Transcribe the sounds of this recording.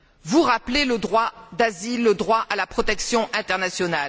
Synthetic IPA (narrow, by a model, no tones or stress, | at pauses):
vuʁapleləd̪ʁwad̪azilːəd̪ʁwaʔalapχɔt̪ɛksjɔ̃ʔɛ̃t̪ɛʁnasjɔnal